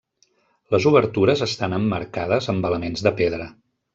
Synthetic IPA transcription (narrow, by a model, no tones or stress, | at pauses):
ləzuβəɾt̪uɾəzəst̪anəmːəɾkað̞əzəmbələmenzðəpeðɾə